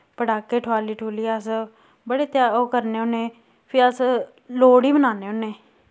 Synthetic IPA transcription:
pəɖaːkeːʈʰaːliːʈʰuːliːas | bəɽeːt̪jaːoːkəɾneːʊnẽː | pʰɪəs | loːɽiːbənaːneːʊneː

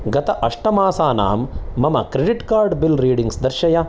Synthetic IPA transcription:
ɡɐt̪ɐʔɐʂʈɐmaːsaːna̰ːmːɐmɐkɾeɖiʈkaːɾɖbilɾiːɖiŋɡsd̪ɐɾʃɐjɐ

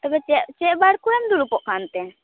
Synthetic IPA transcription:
t̪əbɛt͡ʃɛʔt͡ʃɛʔbaɽkuɛmd̪uɾupɔʔkʰant̪ɛ

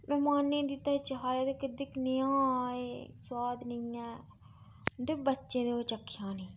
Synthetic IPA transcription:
mɛ̃ːmaːnːẽːd̪it̪ːaːt͡ʃəɦaːjaːd̪ekɪɾd̪ɪknɪãːeːswaːd̪nəiɛ̃ː | d̪ɪbətːʃẽːd̪eoːt͡ʃəkʰːjãːnĩː

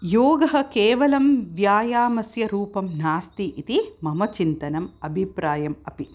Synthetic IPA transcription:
joːɡɐɦɐkeːʋɐlɐmʋjaːjaːmɐsjɐɾuːpɐmnaːst̪iʔit̪imɐmɐt͡ʃint̪ɐnɐmɐbʱipɾaːjɐmɐpi

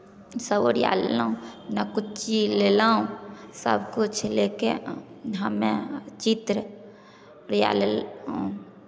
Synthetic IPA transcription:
səboɾja̰llaːũnakʊt͡ʃt͡ʃilelaːũsə̰bkʊt͡ʃʰlekeɦəmẽt͡ʃit̪ɾə | ɾja̰ːlel

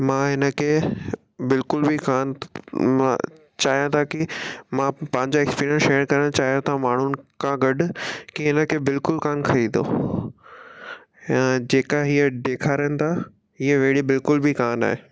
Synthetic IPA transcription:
mãːɦɪnə̆kʰe | bɪlkʊlbʱikaːnmã̰ | t͡ɕaːɦijãt̪ʰakimãpɐ̃ɦɪ̃ɲd͡ʑaekspiːɾijə̃nsʃeːəɾkɐɾəɽ̃t͡ɕaːɦijãt̪ʰamaːɳ̤ʊnɪ̆kãɡɐɖʊkiɦɪnə̆kʰebɪlkʊlkaːnkʰɐid̪o̰ | ɛ̃d͡ʑeːkaɦiːəɖeːkʰaːɾənɪ̆t̪ʰa | ɦiːəʋeːɽibɪlkʊlbʱikaːna̰ːɦeː

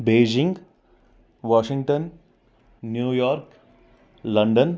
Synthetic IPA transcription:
beːd͡ʒɪ̃ŋɡ | ʋɔːʃɪ̃ŋɡ̚ʈə̃nː | juːjɔːɾk | lɐ̃ɳɖən

